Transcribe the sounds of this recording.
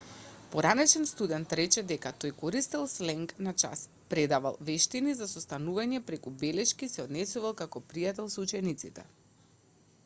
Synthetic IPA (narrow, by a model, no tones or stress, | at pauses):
poɾanɛt͡ʃɛnst̪ud̪ɛnt̪ɾɛt͡ʃɛd̪ɛkat̪ojkɔɾist̪ɛlˠslɛŋknat͡ʃa̰s | pɾɛd̪ava̰lˠvɛʃt̪inizasost̪anuvaɲɛpɾɛkubɛlɛʃkisɛɔd̪nɛsuvalˠkakɔpɾijat̪ɛlˠsut͡ʃɛnit̪sit̪ɛ̰